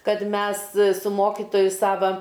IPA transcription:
ˈkɐt ˈmʲɛs sʊ ˈmoːkʲɪtoːjʊ ˈsɑːʋɐ

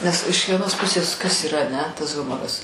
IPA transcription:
nʲɛs ɪʃ ʋʲiɛˈnoːs ˈpʊsʲeːs kɐs iːˈrɐ ɐˈnʲɛ tɐs ˈɣʊmoːrɐs

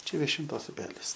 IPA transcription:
ˈt͡ʃʲɛ ʋʲiɛʃʲɪnˈtoːs ʊˈpʲæːlʲɪs

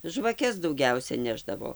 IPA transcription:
ʒʋɐˈkʲɛs dɐʊˈɡʲɛʊsʲɛ ˈnʲæːʒdɐʋoː

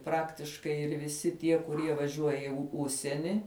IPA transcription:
ˈprɑːktʲɪʃkɐɪ ɪr ʋʲɪˈsʲɪ ˈtʲiɛ kʊˈrʲiɛ ʋɐˈʒʲuɔjɛ ɪ ˈʊʃʲsʲiɛnʲɪ

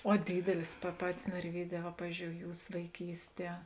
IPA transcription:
oː ˈdʲiːdʲɛlʲɪs pɐ ˈpɑːtʲɪs nɐrʲˈʋʲiːˌdʲɛː ʋɐ ˈpɑːʋʲɪzʲd͡ʒʲoːʊ ˈjuːs ʋɐɪˈkʲiːsʲˌtʲiɛ

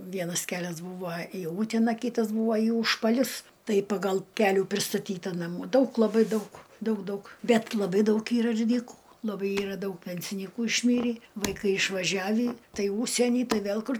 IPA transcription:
ˈʋʲiɛnɐs ˈkʲæːlʲɛs ˈbuːʋoː iː ˈuːtʲɛnɐ ˈkʲɪtɐs ˈbuːʋoː iː uːʃpɐˈlʲʊs ˈtɐɪ pɐˈɡɐlˠ ˈkʲæːlʲuː pʲrʲɪstɐˈtʲiːtɐ nɐˈmuː ˈdɐʊk lˠɐˈbɐɪ ˈdɐʊk ˈdɐʊk ˈdɐʊk ˈbʲɛt lˠɐˈbɐɪ ˈdɐʊk ˈiːrɐ ɪr ˈdʲiːkuː lˠɐˈbɐɪ ˈiːrɐ ˈdɐʊk ˈpʲɛnʲsʲɪnʲiːkuː ɪʃʲˈmʲiːrʲiː ʋɐɪˈkɐɪ ɪʃʋɐˈʒʲæːʋʲiː ˈtɐɪ ˈuːʃʲsʲiɛnʲiː ˈtɐɪ ˈʋʲeːlˠ ˈkʊr

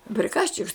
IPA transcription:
pʲrʲɪˈkɑːʃʲt͡ʃʲɪks

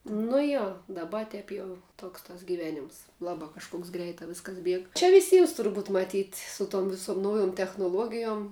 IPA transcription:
nʊ ˈjoː dɐˈbɐ ˈtʲɛp jɛʊ ˈtoːks tɐs ɡʲɪˈʋʲæːnʲɪms ˈlˠɑːbɑː kɐʃˈkoːks ˈɡrʲɛɪtɑː ˈʋʲɪskɐs ˈbʲiɛk t͡ʃʲɛ ʋʲɪˈsʲiːms tʊrˈbuːt mɐˈtʲiːtʲ ˈsʊ ˌtoːm ʋʲɪˈsoːm ˈnɐʊjʊm tʲɛxnʊˈlˠuɔɡʲɪjoːm

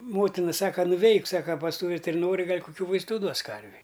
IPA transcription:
ˈmoːtʲɪnɐ ˈsɑːkɐ nʊˈʋʲɛɪk ˈsɑːkɐ pɐs ˈtuː ʋʲɪtʲɪrʲɪnoːrʲɪ ˈɡɐlʲ kʊˈkʲuː ʋɐɪsˈtuː ˈduɔs ˈkɐrʲʋʲɛɪ

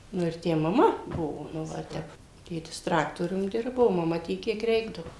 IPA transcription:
ˈnʊ ɪr ˈtʲæː mɐˈmɐ ˈbʊʋoː nʊ ˈʋɐ ɪr ˈtʲɛp ˈtʲeːtʲɪs ˈtrɑːktoːrʲʊm ˈdʲɪrboː oː mɐˈmɐ ˈtʲiɛk ˈkʲiɛk ˈrʲɛɪɡdɐʋoː

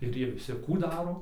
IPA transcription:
ɪr ˈjiɛ ʋʲɪˈsʲɪ ˈkuː ˈdɑːroː

